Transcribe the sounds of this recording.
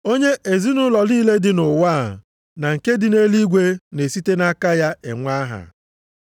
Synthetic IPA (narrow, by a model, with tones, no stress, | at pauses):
o˦ɲe˦ʔe˨zi˦nʊ˦lɔ˨liː˦le˦dɪ˨nʊ˨wa˦˨ | na˨ŋ̩˨ke˦dɪ˨ne˦li˦ɡʷe˦ne˨si˦te˦na˦ka˦ja˦ḛ˨ŋʷa˦ɦa̰˨